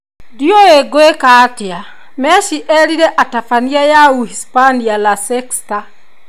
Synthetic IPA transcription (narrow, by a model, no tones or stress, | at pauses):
dioeɡoekatea | mɛʃiʔɛɾiɾɛʔatafaniajauhispanialasɛksta